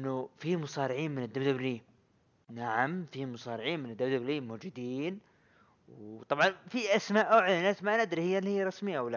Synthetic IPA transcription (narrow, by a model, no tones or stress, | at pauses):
ʔɪnːʊfimʊsˤɑːɾɪʕiːnmɪnɪd̪ːabd̪abliː | naʕamfiːmʊsˤɑːɾɪʕiːnmɪnɪd̪ːabd̪abliːmʊːd͡ʒɪd̪iːn | wt̪ˤɑbʕɑnfiʔasmaːʔʊʕlanʔasmaʔnɪd̪ɾihɪjːalːhɪːaɾˤɑsmɪjːaʔawla